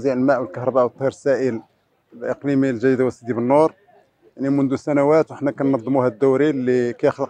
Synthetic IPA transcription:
ziʕəlmæʔwəlkəhɾˤɑbæʔwət̪ˤːiɾsæʔəl | bʔəqlimilʒæd̪id̪awæsːid̪ibənːuɾˤ | jaʕnimʊnd̪usænæwæt̪wəħnækænːɑd̪ˤːəmuhæd̪ːuwɾilːikæjəxləq

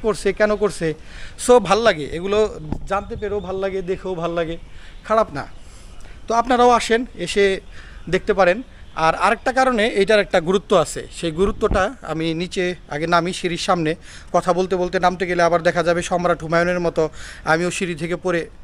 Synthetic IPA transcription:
koɾsʰekɛnokoɾt͡ɕʰe | sobʱalolaɡeʔeɡulod͡ʑant̪epeɾobʱalolaɡed̪ekʰewbʱalolaɡekʰaɽapna̰ | t̪oapnaɾaoaʃeneʃed̪ek̚ʰt̪epaɾenaɾaɾek̚ʈakaɾoneejʈaɾɛk̚ʈaɡuɾut̪ːoat͡ɕʰḛʃejɡuɾut̪ːoʈaa̰minit͡ɕea̰ɡenamiʃiɾiɾʃamne | kɔt̪ʰabolt̪̬ebolt̪̬enamt̪eɡeleabaɾd̪ɛkʰad͡ʑabeʃɔmɾaʈʰumajoneɾmɔt̪oamioʃiɾit̪ʰekepoɾe

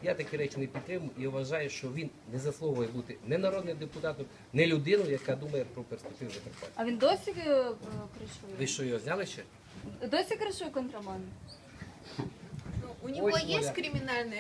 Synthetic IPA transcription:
jat̪ɐkʲɛɾɛt͡ʃinɛpʲid̪̚t̪ɾɪmʊjʊʔiʊʋɐʒɑjʊʃt͡ʃɔʋʲinːɛzɐslˠɔɦʊjɛbut̪ɪnɛnɐɾɔd̪nɪd̪epʊt̪ɑt̪ɔ | nɛlʲʊd̪ɪnʊjɐkad̪umɐjɛpɾɔperspek̚t̪ɪwzɐp̪ekpɛɐʋʲind̪ɔsʲi | kɾɐʃʊʋɪʃt͡ʃɔjɔɦɔzʲnʲalˠɪʃt͡ʃɛ | d̪ɔsʲikɾɐʃʊjkɔnt̪ɾɐmɑnd̪ | nuunʲɔɔɦɔjekɾʲimʲinalʲnɐ

